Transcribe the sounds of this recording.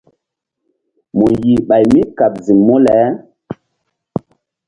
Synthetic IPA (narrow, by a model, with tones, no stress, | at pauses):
mu˨ji˨ɓa˨jmi˦ka˨p̚zi˨mːo˦lɛ˨˦